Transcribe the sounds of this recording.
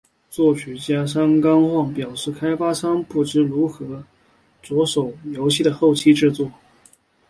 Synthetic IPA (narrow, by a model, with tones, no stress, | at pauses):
t͡swɔ˥˩t͡ɕʰy˨˩t͡ɕja˥ʂ̬ɑ˥ŋkɑ˥ŋxwɑ˥˩ŋpjɑ˨˩ʊʂɻ̩˥˩kʰa˥ɪpa˥sɑ˥ŋpu˥˩ʈ͡ʂɻ̩˥ɻu˧˥xɤ˧˥ | t͡swɔ˧˥ʂo˨˩ʊjo˧˥ʊɕʰi˥˩d̪ə˩xo˥˩ʊt͡ɕʰi˥ʈ͡ʂɻ̩˥˧t͡swɔ˥˩